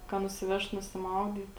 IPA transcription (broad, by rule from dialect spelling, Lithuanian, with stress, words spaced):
kɐ nʊsʲɪˈʋʲɛʃt nʊsʲɪˈmɐʊdʲiːt